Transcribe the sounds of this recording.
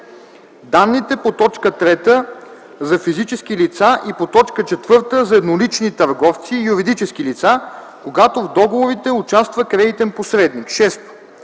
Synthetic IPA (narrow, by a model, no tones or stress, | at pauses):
d̪anːit̪ɛpot̪ɔt͡ʃkət̪ɾɛt̪ə | zɐfizit͡ʃɛsk̟ilit̪saʔipot̪ɔt͡ʃkət͡ʃɛt̪vɤɾt̪əzɐɛd̪nolit͡ʃnit̪ɐɾɡɔft̪siːjuɾid̪it͡ʃɛskilit̪sa | koɡat̪ovd̪ɔɡovoɾit̪ɛʊt͡ʃast̪vəkɾɛd̪it̪ɛnposɾɛd̪nikʃɛst̪o̥